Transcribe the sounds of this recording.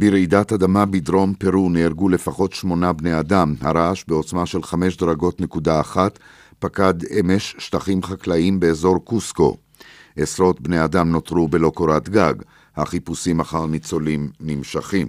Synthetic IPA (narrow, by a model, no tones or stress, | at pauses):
biɾidatad̪amabid̪ɾo̞mpeɾuneiʁɡule̞faχo̞tʃmo̞nabnejadamha̰ɾaʃbeo̞t͡smaʃe̞lχame̞ʃ̬d̪ɾaɡo̞tne̞kudaːχat̪ | pakad̪eme̞ʃːt̪aχimχaklaimbe̞ːzo̞ʁkusko̞̰ | ʔesɾo̞tbnejadamno̞t̪ʁube̞lo̞koɾat̪ɡaɡ | haχipusimaχaʁnit͡so̞limnimʃaχim